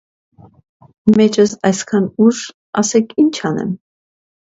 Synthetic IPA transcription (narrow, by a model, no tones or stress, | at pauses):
mɛt͡ʃəsɑjskʰɑnuʒ | ɑsɛkʰint͡ʃʰɑnɛ̰m